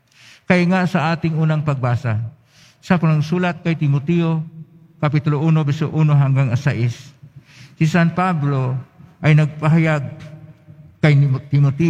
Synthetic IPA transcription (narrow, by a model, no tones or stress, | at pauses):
kajŋaʔsɐʔaːt̪ɪŋuːnaŋpɐɡ̚baːsa | sɐpanaŋsuːlat̪̚kajt̪ɪmot̪ɛo | kɐpit̪ʊloʔuːnobɛsoʔuːnoɦaŋɡaŋasaʔɪsː | isanpabloʔɐjnɐɡ̚paɦajaɡ̚ | kajt̪ɪmot̪ɛ